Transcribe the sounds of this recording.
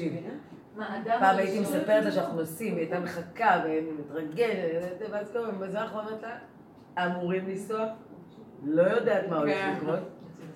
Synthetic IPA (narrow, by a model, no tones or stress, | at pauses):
iv | d̪apaːmait̪imesape̞ʁetzeʃanaχnunosimet̪ameχakavemmit̪ʁaɡe̞nezezeveazkovembezeanaχnuamat̪la | amuʁimlisoaf | lo̞jo̞d̪aːt̪maoleχlikʁot̪